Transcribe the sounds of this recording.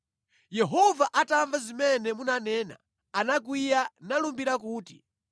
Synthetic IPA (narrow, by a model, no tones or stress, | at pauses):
jɛɦɔvaʔataɱvazimɛnɛmunanɛːna̰ | anak̬wijanalumbiɾakuːti